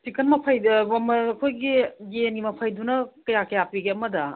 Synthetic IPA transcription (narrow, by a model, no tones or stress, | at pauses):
sikɐnmɐpʰajɐmɐkʰojɡiɡenɡimɐpʰajdunɐkɐjakɐjapiɡeɐmɐdɐ